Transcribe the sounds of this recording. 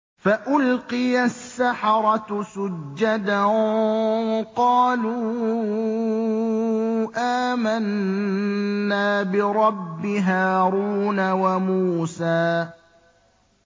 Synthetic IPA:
faʔʊlqɪjasːaħɑɾˤɑt̪sʊd͡ʒːad̪a | qɑːluː | ʔaːman | aːbɪɾˤɑbːɪɦaːɾuːnawamuːsaː

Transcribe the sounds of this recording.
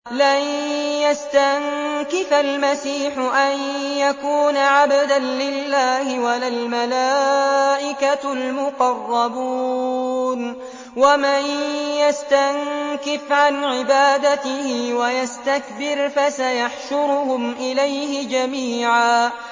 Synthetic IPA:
lanjast̪aŋkɪfalmasiːħʊʔanjakuːnaʕabad̪anlɪlːaːhɪwalalmalaːʔɪkalmʊqɑrˤːɑbuːn | wamanjast̪aŋkɪfʕanʕɪbaːd̪at̪ɪhɪwajast̪akbɪɾfasajaħʃʊɾʊhʊmʔɪlajhɪd͡ʒamiːʕaː

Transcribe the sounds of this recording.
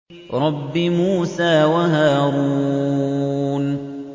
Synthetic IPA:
ɾˤɑbːɪmuːsaːwaɦaːɾuː | n

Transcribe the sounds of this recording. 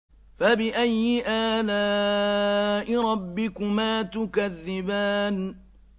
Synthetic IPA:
fabɪʔajːɪʔaːlaː | ʔɪɾˤɑbːɪkʊmaːt̪ʊkaðːɪbaːn

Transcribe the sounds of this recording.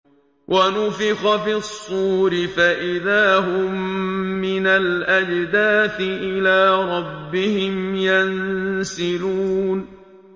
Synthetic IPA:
wʔanʊfɪxɑfisˤːuːɾɪfaʔɪðaːɦʊmːɪnalʔad͡ʒd̪aːθɪʔɪlaːɾˤɑbːɪhɪmjansɪluːn

